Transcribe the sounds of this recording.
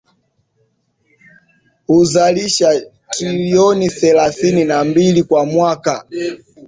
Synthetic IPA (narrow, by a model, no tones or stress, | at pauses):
huzaliʃa | tɾiliɔniθɛlaθininambilikwamwaka